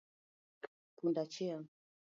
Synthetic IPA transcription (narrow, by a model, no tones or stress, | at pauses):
k | kundat͡ʃia